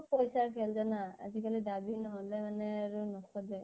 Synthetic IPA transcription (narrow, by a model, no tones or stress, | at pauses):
pɔjsaɹkʰɛlzanaa̰zikalidabinɔɦɔlɛmanɛaɹunɔkɔdɛ